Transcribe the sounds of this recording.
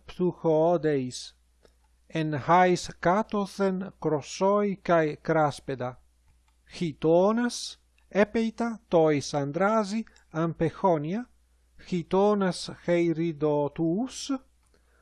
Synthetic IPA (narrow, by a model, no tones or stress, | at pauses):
psuxoːd̪ejs | enhajskat̪oθenkɾosojkajkɾasped̪a | xit̪onas | epejt̪at̪oisand̪ɾazi | ampexɔnja | xit̪onasxejɾid̪ot̪us